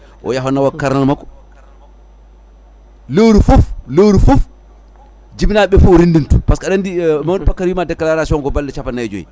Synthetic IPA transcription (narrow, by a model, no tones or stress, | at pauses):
ʔɔ̰jaɦɔnawakːaɾnanmakːɔ̥ | lewɾufuflewɾufuf | d͡ʒibinaɓɛfuɾindintu̥paskaɗandimadpakːaɾwimadɛkːalaɾasiɔŋɡɔbalːɛt͡ʃapanːajd͡ʒo̰jḭ